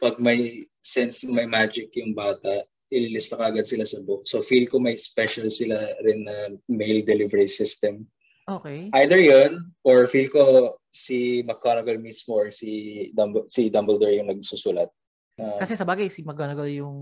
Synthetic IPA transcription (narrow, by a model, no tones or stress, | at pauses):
pɐɡ̚mɐjsɛnsmɐjmaːd͡ʒɪkjʊŋbaːt̪ɐʔ | ʔɪlilɪst̪ɐkɐʔɐɡad̪̚sɪlasɐbʊk̚sofilkomɐjspɛʃɐlsɪlaɾɪnːɐmejld̪ɛlivɛɹisɪst̪ɛm | ʔoːkejʔajd̪ɛɹjonʔoɹfilkosimɐkːoːnɐɡɐlmismoɹsid̪ɐbsid̪ɐmbɛld̪ɛɹjʊŋnɐɡ̚susulɐt̪̚ | nɐkɐsɛsɐbaːɡɐjsimɐkːonɐɡɐljʊŋ